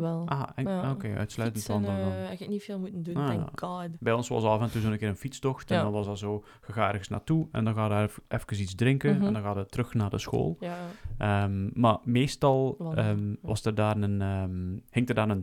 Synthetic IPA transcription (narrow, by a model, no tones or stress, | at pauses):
ɛlˠʔaːokeːœ̰tslœɥtəntɔndnɛɣləknifeːlˠmutənduna̰kʰadbɛjɔnsɑ̰sɑfɛntuzoːnənkɪːɾənfitstɔxtɛndɔnʋɑsdɔzoː | ɣəɣaːɛrɣənsna̰ːtuɛ̰ndɔnɣaːdʔɛfkəsizdrɪŋkəɛndɔnɣaːdətrɵxnaːrdəsxo̰ːlˠʔəmmarmeːstɑlˠəmʋɑ̰sdərdaːrnən | hɪŋtərdaːrən